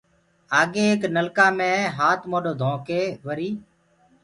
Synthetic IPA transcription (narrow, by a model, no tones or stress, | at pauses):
aːɠeːeːknəlkaːmẽːɦaːt̪ʰmoːɗoːd̪ʱõːkeːʋəɾiː